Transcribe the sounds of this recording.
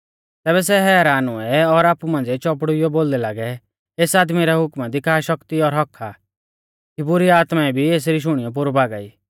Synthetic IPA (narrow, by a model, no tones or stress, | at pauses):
t̪ɛːbɛs̬ɛɦɛːɾaːnʊɛɔɾaːpumãːnd͡zɛt͡ʃɔp̬ɽʊɪjɔboːld̪ɛlaːɡɛ | eːsaːd̪miɾɛɦʊkmɛd̪ikʰaːʃɔkt̪iɔɾɦɔkʰːa | kibʊɾiaːt̪maɛbʱieːs̬ɾiʃ̬ʊɽ̃ijɔp̬ʊɾbaːɡa̰ːiː